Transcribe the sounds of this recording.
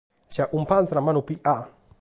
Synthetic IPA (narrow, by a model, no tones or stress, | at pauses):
ʃaʔum̩panzanamanupiʔa